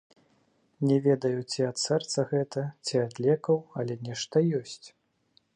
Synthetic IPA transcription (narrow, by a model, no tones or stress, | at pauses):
nʲɛvʲɛd̪ɐjut͡sʲiat̪sɛrt̪sɐɣɛt̪ɐt͡sʲiad̪lʲɛkɐwɐlʲɛnʲɛʂt̪ɐjɔsʲt͡sʲ